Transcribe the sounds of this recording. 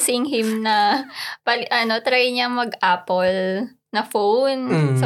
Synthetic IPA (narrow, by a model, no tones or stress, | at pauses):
sɪŋɦɪmnɐpɐlʔɐno̞t̪ɾajɲɐŋmɐɡʔaːpol | nɐfownsɐ